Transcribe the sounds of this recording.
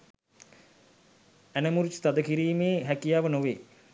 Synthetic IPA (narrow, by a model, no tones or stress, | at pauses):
ænəmuɾut͡ʃt̪ad̪əkiɾiːmeːɦækijaːʋənoʋḛː